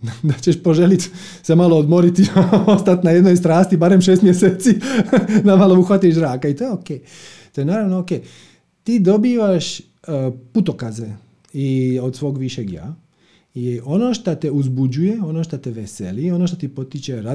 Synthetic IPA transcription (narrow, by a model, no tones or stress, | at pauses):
d̪at͡ɕeʃpo̞ʒelit̪ | semalˠo̞od̪mo̞ɾit̪iost̪at̪najed̪nojst̪ɾaːst̪ibaːɾemʃest̪mjeseːt̪sid̪amalouxʋat̪iʃɾaːkait̪o̞ːjeokeː | t̪o̞jenaːɾaʋnokej | t̪iːd̪o̞biːʋaʃ | put̪o̞kaze | io̞d̪sʋo̞ːɡʋiʃeɡja̰ː | jeʔo̞no̞ʃt̪at̪euzbud͡ʑuje̞o̞noʃt̪at̪eʋesḛlio̞noʃt̪ot̪ipo̞t̪it͡ɕeɾa